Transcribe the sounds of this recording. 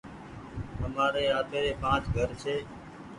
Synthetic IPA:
ɦəmaːɾeːaːt̪eːd̪eːpãːt͡ʃɡʱəɾsʰeː

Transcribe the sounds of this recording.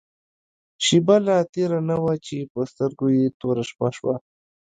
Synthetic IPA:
ʃibalat̪eɾanawat͡ʃepəst̪əɾɡojet̪oɾaʃpa̰ʃwa̰

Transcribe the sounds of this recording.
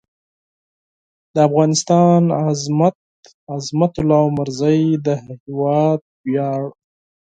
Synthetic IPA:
d̪əafɣɑnɪst̪ɑnazmat̪ | azmat̪ʊlɑwmaɾzajd̪əhɪwɑd̪̚bjɑɽ

